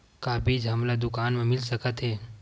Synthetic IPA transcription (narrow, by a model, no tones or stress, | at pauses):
kabʱid͡ʒɦəmlad̪ʊkanmãmilsəkət̪ɦe